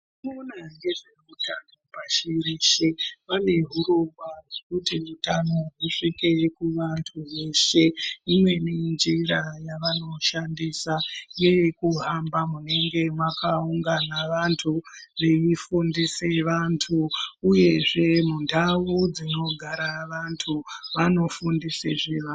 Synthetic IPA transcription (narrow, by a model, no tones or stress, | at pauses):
nonaŋɡe̞ʐeutʰano̞paʃiriʃeʋane̞ɦuɾoŋɡwarwekutiʋutano̞ruʂike̞kuʋantʰuʋe̞ʃe̞imwe̞nind͡ʒiɾajaʋano̞ʃandisajekuɦambamune̞ŋɡe̞mwakauŋɡanaʋantʰuʋe̞ifundise̞ʋantʰuːje̞ʐe̞mundaʋud͡zino̞ɡʱaɾaʋantʰuʋano̞fundiseʐeʋa